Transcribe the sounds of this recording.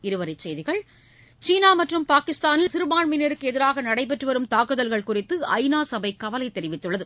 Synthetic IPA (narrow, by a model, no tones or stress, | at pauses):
ɪɾɯʋɐɾɐɪt͡ʃsɛjðɪɣɐɭ | t͡ʃiːnaːmɐʈrɯmpaːkɪst̪aːnɪlsɪɾɯmaːɳmɪnɐɾɯkːɯɛðɪɾaːɣɐnɐɽɐɪp̬ːɛʈrɯʋɐɾɯmt̪aːkɯðɐlɣɐɭkʊrɪt̪ːɯɐ̰ɪnaːsɐbɐɪkɐʋɐlɐɪt̪ːɛɾɪʋɪt̪ːɯɭːɐðɯ